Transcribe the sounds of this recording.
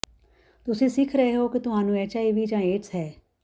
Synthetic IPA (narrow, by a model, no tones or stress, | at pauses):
t̪ʊsẽːsɪkʰɾəɦeɦoːkɪt̪ʊɦaːnũːɛːt͡ʃaːiːʋiːd͡ʒãːeːʈsɦɛː